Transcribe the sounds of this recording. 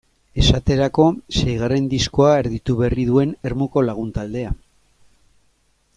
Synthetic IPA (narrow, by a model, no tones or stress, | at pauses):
e̞sat̪e̞ɾako̞sejɣare̞nd̪isko̞aeɾðit̪uβeriðue̞ne̞ɾmuko̞laɣ̞unt̪ald̪e̞a